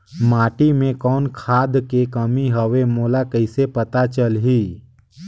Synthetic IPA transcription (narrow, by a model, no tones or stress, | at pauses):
maːʈimẽkɔːnkʰaːd̪kekəmiɦəʋemoːlakəɪsepət̪at͡ʃəlɦiː